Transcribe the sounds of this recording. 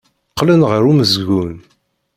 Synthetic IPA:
qːlənʁəɾuməzɡun

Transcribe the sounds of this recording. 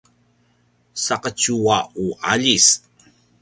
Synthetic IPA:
saqət͡ɕuauʔa̰ʎis

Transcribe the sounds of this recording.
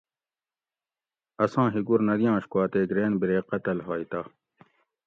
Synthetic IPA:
ɐsãːɦiɡuɾnɐd̪ijãːɕkaːt̪eɡɾeːnbiɾeːqɐt̪ɐlɦaːit̪a

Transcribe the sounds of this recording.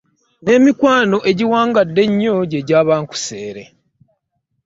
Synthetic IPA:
ne̞ːmikwaːno̞ʔe̞ɟiwaːŋɡadːe̞ɲːo̞ɟeɟaːβaːŋku̥seːɾḛ

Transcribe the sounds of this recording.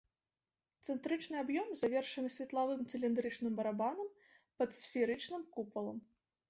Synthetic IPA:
t̪sɛnt̪ɾɨt͡ʂnɨabjɔmzavʲɛrʂɐnɨsʲvʲɛt̪lˠavɨmt̪sɨlʲind̪ɾɨt͡ʂnɨmbɐɾabanɐm | pɐt̪sʲfʲiɾɨt͡ʂnɨmkupɐlˠɐ̰m

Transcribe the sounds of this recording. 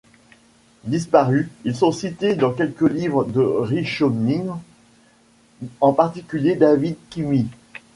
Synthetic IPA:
d̪ispaʁyilsɔ̃sit̪ed̪ɑ̃k̬ʲɛlkəlivʁəd̪əʁiʃoni | ɑ̃paʁt̪ikʲyljed̪avid̪̚kʲimi

